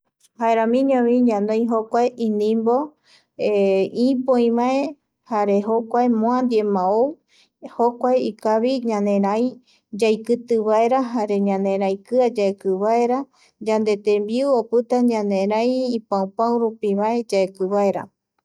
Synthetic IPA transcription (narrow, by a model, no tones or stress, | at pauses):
haeɾãmĩɲõβĩɲãnd̪õj̃ɦokʷaeʔĩnĩmbo | eipõĩβae | haɾeɦokʷaemõand̪ie̞mão | hokʷaeikaβiɲãnẽ̞ɾaj | d͡ʒajkɨt̪ɨβae̞ɾaɦaɾe̞ɲãnẽ̞ɾãjkɨad͡ʒaekɨβaeɾa | d͡ʒand̪e̞t̪ẽmbiuopɨt̪aɲãnẽɾãjipãũpãw̃ɾupiβae̞d͡ʒaekɨβaeɾa̰